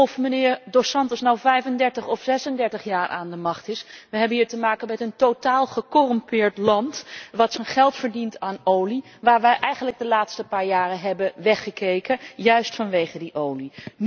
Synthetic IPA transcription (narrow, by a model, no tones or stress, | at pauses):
ɔfmənɪːɹdosɑntəsnawvɛjfəndɛɹtəχɔfsɛsəndɛɹtəχjaːɹʔa̰ːndəmɑχtɪsʋəɦɛbənɦiːɹtəmaːkənmɛtəntowtaːlˠχəkorɔmpɪːɹtlɑntʋɑtsənχɛlˠtfəɹdintaːnowli | ʋaːɹʋɛjʔɛjχənləɡ̚dəlaːtstəpaːɹjaːrənɦɛbəʋɛχəkejkəjœɥstfɑnʋejχədiʔowli